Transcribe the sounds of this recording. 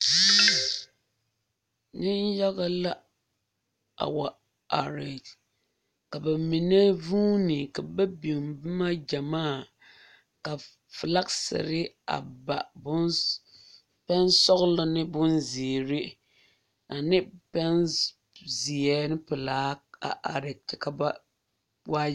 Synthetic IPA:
nɪ˦nja˦ɣa˦la˦ | a̰˨wa˨ | a˨ɾe˨d͡ʒ | ka˨ba˨mi˨ne˦vuː˦nɪ˨ka˨ba˦bi˨mbɨ˦ma˦d͡ʒa˨maː˦˨ | ka˨ | fɨ˨la˦ksɛ̰˨ɾɪ˦ | a̰˨ba˨bʊ˦n | pɛ˦nsɔ˦ɣla˦nɪ˦bʊ˦nzi˨ɾɪ˦ | a˨nɪ˦pɛ˦n | zi˨ɛ˦nɪ˦pɨ˨laː˨˦a̰˨ʔa̰˨ɾɛ˨ka˨ba˦ | wa˦

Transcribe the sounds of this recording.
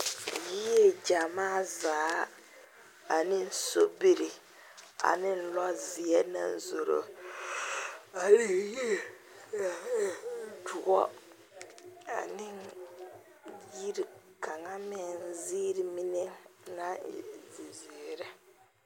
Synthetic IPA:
ji˦jɛ˦d͡ʒa˨maː˦˨zaː˨˦ | a˨nɪ˦n̩˦so˦bi˨ɾɪ˨ | a̰˨nɪ˦n̩˦lɔ˦zɪ˨ɛ˦na̰˦˨n˨zo˨ɾo̰˨ | a˨ɾe˦je˦˨ | dʊ˨ɔ̰˦ | a̰˨nɪ˦n | ji˦ɾi˨ka˨ŋa˦mɛ˨n˦ziː˦ɾi˨mi˦ne˦na̰˦˨zi˨zi˨ɾɛ˦

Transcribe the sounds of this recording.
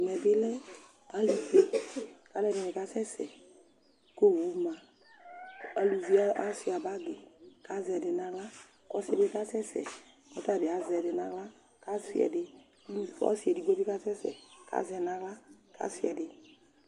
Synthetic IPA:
mɛ̃˨bɪ˦lɛ˦ | a˨˦lu˨ve˦ka˨˦lɛ˦˨de˨nɪ˨ka˦sɛ˦sɛ̰˨ | ko˦vu˨˦˨mã˨ | a˨lu˨vi˦a˦a˦sɪ˨a˨ba˦ɡe˨ka˦zɛ˨dɪ˨nã˧ɡla˦ | kɔ˦sɛ˨dɪ˦ka˦sɛ˦sɛ̰˨ | kɔ˨˦ta˨dɪ˨a˨zɛ˨dɪ˨nã˨˦ɡla˦ | ka˦sḭ˦˨ɛ̰˨dɪ˨˦ | lu˦˨ɔ̰˦si˨ɛ˨di˨ɡo˦bi˦ka˦sɛ˦sɛ̰˨ka̰˨˦zɛ˨nã˦kla˦ka̰˨˦si˦ɛ˨dɪ˨

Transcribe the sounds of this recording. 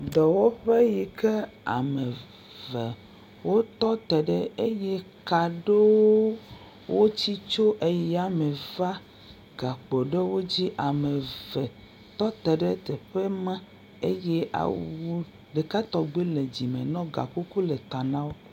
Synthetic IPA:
d̪ɔ˨wɔ˦ɸe˦ji˨ke˦a̰˨me˨ | vɛ˨ | wo˦t̪ɔ˦t̪ɛ˨ɖe˦e˦je˦ka˨ɖe˦wo˦ | wo˦t͡ɕi˦t͡ʃo˦ʔe˦jɛ˦a˨me˨va˦ | ɡa˨k͡pɔ˨ɖe˦wo˦d͡ʑi˦ʔa˨me˨vɛ˨ | t̪ɔ˦t̪ɛ˨ɖe˦t̪ɛ˨ɸe˦mã˦ | e˦je˦ʔa̰˨wu˦ | ɖe˨ka˦t̪ɔ˨ɡ͡be˦le˨d͡ʑi˨mḛ̃˨nɔ̃˦ɡa̰˨ku˦ku˦le˨t̪a˨nã˦wo˦

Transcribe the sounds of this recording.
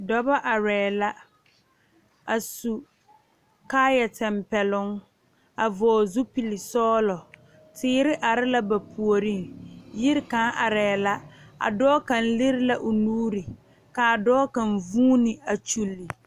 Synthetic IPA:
dɔ˦ba˦ʔa˨ɾɛː˨la˦ | a˨su˨ | kaː˦jɛ˨tɛ˨mpɛ˨lʊ˦ŋ | a˨vɔː˨zu˦pi˨lɪ˨sɔː˦lɔ˨ | tɪː˦ɾɪ˦ʔa˨ɾɪ˦la˦ba˨pʰu˨o˨ɾɪ˦ŋjɪ˦ɾɪ˦ka˨˦ʔa˨ɾɛː˨la˦a̰˨dɔː˦ka˨n̩˦lɪ˦ɾɪ˦la˦ʔʊ˨nuː˦ɾi˨ | ka˨dɔː˦ka˨n˨vuː˦nɪ˨a˨t͡ʃu˨lːi˨

